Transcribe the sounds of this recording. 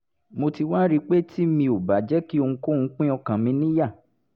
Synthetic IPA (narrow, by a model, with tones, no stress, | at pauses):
mo˧ti˧wa˦ɾi˦k͡pe˦ti˦mĩ˧o˨ba˨d͡ʒɛ˦ki˦o˧ũ˧ko˦˨ŋũ˧k͡pĩ˦ɔ˧kã˨mĩ˨˧˦nĩ˦ja˦˨